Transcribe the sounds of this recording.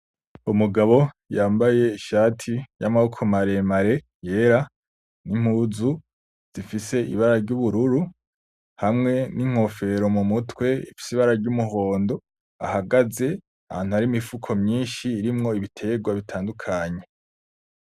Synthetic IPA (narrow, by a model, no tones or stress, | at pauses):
umuɡaβo̞ | jaːmbaje̞iʃaːtʰijamaukʰomaɾe̞maɾe̞ | je̞ːɾa | nim̥huzu | z̥ifise̞ḭβaɾaɾɟuβuɾuɾu | hamŋe̞niŋ̥ho̞fe̞ɾo̞mumutwe̞ḭfi̥siβaɾaɾɟumuɦo̞ːndo̞ | a̰haɡaze̞ | aha̰ːn̥uaɾimifukʰo̞mɲiːnʃiːɾimŋo̞iβitʰe̞ɡwaβitʰaːndukʰaɲe̞